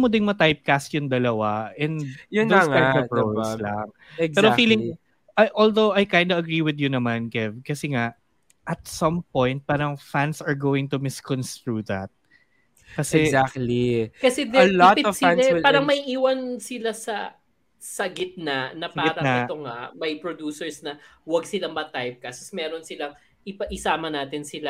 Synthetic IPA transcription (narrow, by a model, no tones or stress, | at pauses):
mod̪ɪnmɐt̪ajp̚kast̪jʊŋd̪ɐlɐwaʔɛ̃nd̪jʊnosŋapɐpɹoslaŋ | ɛpɛːɾofiːlɪ̃ŋ | ʔaʔold̪owʔajkajnd̪ɐɐɡɹiwɪd̪jʊnɐmankɛvkɐsɛŋaʔ | ʔɐt̪̚sɐ̃mpɔ̃jnt̪̚paːɾɐŋfansɐɹɡoːwɪŋt̪ʊmɪskɔ̃nst̪ɹuːðɐ̰t̪̚ | kɐsɛzak̚tlikɐsɛd̪ɛlɔtpɪɔsãnɛɪlaːɾɐŋmɐiʔiːwɐnsɪlasɐ | sɐɡɪt̪̚naʔnɐpaɾɐŋaɪtoŋɐ̰ʔmɐjpɹod̪uːsɛɹsnɐwɐɡsɪlamɐt̪ajp̚kɐsosmɛːɾonsɪlaŋ | ʔɪpɐʔɪsaːmɐnaːt̪ɪnsɪla